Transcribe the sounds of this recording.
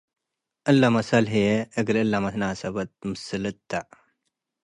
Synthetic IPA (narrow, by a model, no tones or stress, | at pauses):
ʔɨlːamɐsɐlɦieɨɡlɨlːamɐt̪nasɐbɐt̪̚mɨsɨlɨt̪ʰːa